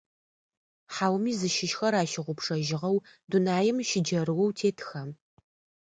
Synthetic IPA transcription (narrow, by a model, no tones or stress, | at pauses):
ħaːwmiːzɨʃɪʃxɐɾaːʃɪʁʷʊpʂɐʒɪʁɐwdunaːjɛmʃɪd͡ʒɐɾɨwɔwtʰeːtʰxɐm